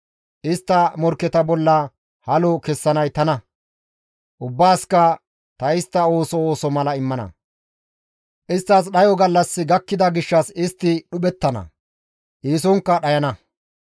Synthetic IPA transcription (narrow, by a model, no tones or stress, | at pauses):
ʔɪst̪ːɐmɔɾkːɛt̪ɐbɔlːɐ | hɐlɔkɛsːɐnɐjt̪ɐnɐ | ʔʊbːaːskɐ | t̪ɐɪst̪ːɐo̞ːsɔoːsɔmɐlɐɪmːɐnɐ̰ | ʔɪst̪ːɐs̬ɗɐjɔɡɐlːɐsːɪɡɐkːɪd̪ɐɡɪʃːɐsɪst̪ːɪɗʊɓɛt̪ːɐnɐ̰ | ʔiːs̬ɔŋkːɐɗɐjɐnɐ